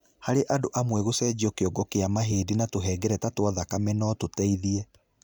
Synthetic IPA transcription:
haɾeʔadoʔamwɛɣosɛd͡ʒiɔkeɔɡɔkeamaɦeːdinatoɦɛːɡɛɾɛtatwaðakamɛnɔtotɛiðiɛ

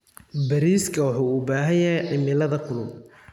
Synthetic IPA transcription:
bɐɾiːskʰɐwɑħuːubaːɦɐjjɐɦɛjʕɪmɪlɐðɐkʰʊlʊb

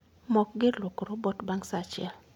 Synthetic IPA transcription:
mɔkɡɪlwokɾobɔtbaŋsat͡ʃɪɛl

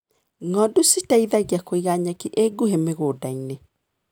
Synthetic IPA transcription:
ŋɔdusitaiðaɣjakoiɣaɲakiʔeɡuhemeɣoːdaine

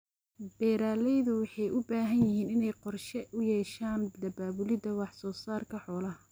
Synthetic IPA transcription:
b̥ɛːɾaːlɛjðʊwɑħɑjʔʊbaːɦɐnjɪɦiːnɪnɛjqɔrʃɛʔʊjɛːʃaːnd̪ɐbaːβʊlɪdɐwɑħsɔːsaːrkʰɐħɔːlɐh

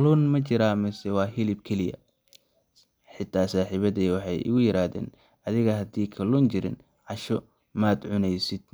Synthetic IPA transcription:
kʰɐluːnmɐt͡ʃɪɾaːmɐsɛwɑːɦɪlɪb̚kʰɛlɪjɐ̰ | ħɪt̪ʰːaːsaːħiβɐðɛːwɑħɑjʔɪ̰ɣʊjɪɾaːðɛ̰ːn | ɐðɪɣɐɦɐd̪iːkʰɐluːnt͡ʃɪɾɪ̰n | ʕɑʃɔ | maːd̪ʕʊnɛjsɪd̪̥̚

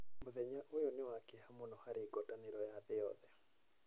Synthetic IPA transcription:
mʊðɛɲaʔʊjonɪwakɪhamʊnɔhaɾɪɡɔtanɪɾɔjaðɪjɔ̰ðɛ

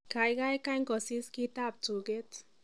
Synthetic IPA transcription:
kajɣaekajŋkosiskit̪ap̚t͡suɡet͡s

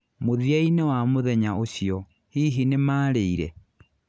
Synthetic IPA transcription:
moðiainewamoðɛɲaoɕiɔ | hiːɦinemaːɾeiɾɛ̰

